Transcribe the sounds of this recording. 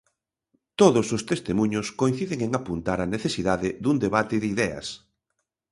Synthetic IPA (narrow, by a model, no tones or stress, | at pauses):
t̪oðosost̪est̪emũɲoskoin̟θiðeŋeŋapunt̪aɾɐneθesiðaðɪðund̪eβat̪ɪðiðɛɐ̰s